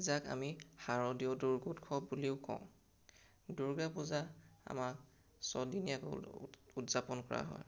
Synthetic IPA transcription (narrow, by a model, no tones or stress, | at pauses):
zaka̰mixaɹɔdiɔduɹɡutkʰɔbuliʊkɔ̰̃ʊ̃ | duɹɡapuzaa̰mak | sɔdiniakɔ̰utzapɔnkɔɹa̰ɦɔ̰j